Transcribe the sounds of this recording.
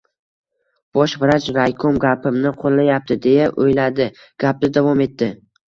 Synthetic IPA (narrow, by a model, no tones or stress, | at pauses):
b̥ɒʃvɪɾat͡ʃvajkʰomɡʲapʰɪmnɪqʰolˠːajap̚t̪ʰɪd̪e̞jaʔojlad̪ɪ | ɡ̥ʲap̚d̪ɪd̪avɒme̞t̪ːɪ